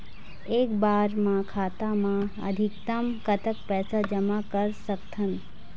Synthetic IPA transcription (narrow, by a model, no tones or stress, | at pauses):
eːkbaːɾmãkʰaːt̪amãɐ̰d̪ʱɪkt̪əmkɐt̪ʰəkpɛːsad͡ʒəmakəɾsəkt̪ʰən